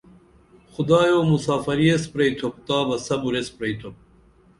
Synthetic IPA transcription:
xʊd̪aːjoːmusaːfɐɾiespɾejt̪ʰop̚t̪aːbɐsɐbuɾespɾɐjt̪ʰop̚

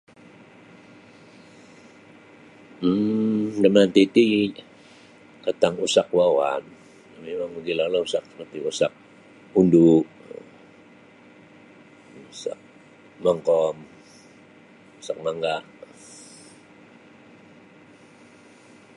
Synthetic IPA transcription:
m̩dəmant̪it̪i | kət̪aŋusak̚wawa̰n | memaŋbəɡilalausakəpət̪iusak̚ | unduʔ | usa̰k̚ | maŋkɔm | usak̚maŋɡaʔ

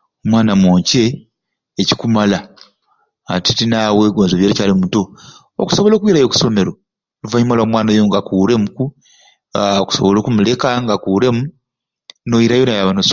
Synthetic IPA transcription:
omwaːnamoːɲce̞ː | ci̥kumalaː | titinaweːɡo̞ːnzoβjelicaːlimuto | o̰ku̥soβo̞lo̞ːkwiɾajo̞ku̥so̞me̞ɾo̞ | luvaɲimalamwaːnajoŋɡakuːɾe̞muku | oku̥so̞̰βo̞lo̞ːkumule̞kaŋɡakuɾe̞mu | no̞jiɾajonajaβanos

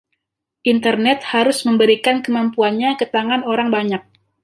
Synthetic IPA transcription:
ʔint̪ərnɛt̪̚haɾʊsməmbəɾikankəmampuanɲakət̪aŋanoɾaŋbaɲak̚

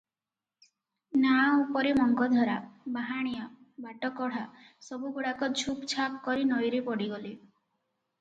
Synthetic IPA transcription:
naupɔɾemɔŋɡɔd̪ʱɔɾabaɦaɽ̃ijɔ | baʈɔkɔɽ̤a | sɔbuɡuɽakɔd͡ʒʱʰupt͡ʃʰap̚kɔɾinɔjɾipɔɽiɡɔli

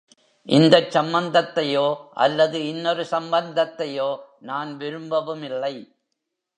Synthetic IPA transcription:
ʔɪnd̪ɐt͡ʃsɐmbɐnd̪ɐt̪ːɐjoːʔɐ̰lːɐðɯɪnːɔɾɯsɐmbɐnd̪ɐt̪ːɐjoː | naːnʋɪɾɯmbɐʋɯmɪlːɐɪ

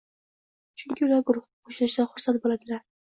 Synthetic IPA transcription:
t͡ʃʰyŋkʲiulaɾɡʊɾʊχqʰoʃlaʃaχʊɾsan̚bolˠad̪ɪlaɾ

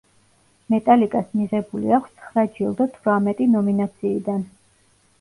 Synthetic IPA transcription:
mɛt̪ʼalikʼasmiʁɛbulḭakʰʷst̪sʰχɾad͡ʒilˠd̪at̪ʰɾamɛt̪ʼinɔminat̪sʰiːd̪an

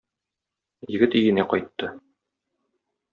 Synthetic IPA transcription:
jɘ̆ɡɘt̪ijɘ̆næqɒjt̪ːɤ

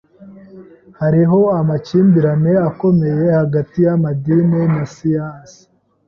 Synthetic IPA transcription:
haɾiɦo̞amaciːmbiɾane̞ako̞me̞je̞haɡatijamadinenasijaːnsi̥

